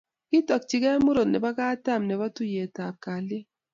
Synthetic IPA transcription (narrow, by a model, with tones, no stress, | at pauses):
kɪ˦tɔ˨k̚t͡ʃi˨ɡɛ˦mu˦ɾo˨nɛ˨ba˦ka˦ta˦˨mnɛ˨ba˦tu˦je˨ta˨p̚ka˨lɪ˦